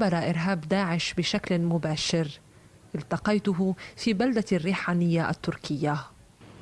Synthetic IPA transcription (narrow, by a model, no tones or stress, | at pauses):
bɑɾˤɑʔɪɾɦaːbd̪aːʕɪʃbɪʃaklmʊbaːʃɪɾ | ʔɪlt̪ɑqɑjt̪ʊɦʊfiːbald̪arːiːħaːnɪjːaʔa̰t̪ːʊɾkʰɪjːa